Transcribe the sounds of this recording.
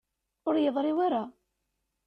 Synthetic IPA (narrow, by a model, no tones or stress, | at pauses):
ʊɾjəðˤɾɪwaɾa